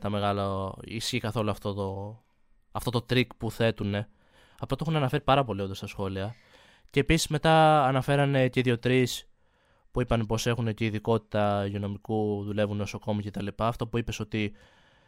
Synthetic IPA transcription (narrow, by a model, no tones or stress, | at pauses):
t̪ɐme̞ɣɐloḭsçikɐθo̞luɐft̪ot̪o | ɐft̪o̞t̪o̞t̪ɾikpuθe̞t̪une̞ | ɐft̪ot̪ounɐnɐfe̞ɾipɐɾɐpo̞lio̞nd̪ɐst̪ɐsxo̞liɐ | ce̞ːpisi̥zme̞t̪ɐːnɐfe̞ɾɐne̞ceiðʝo̞t̪ɾis | puipɐnepo̞se̞xuneceiðiko̞t̪i̥t̪ɐʝono̞mikuðule̞vuneoso̞ko̞mice̞t̪ɐlipɐːft̪opuipe̞so̞t̪i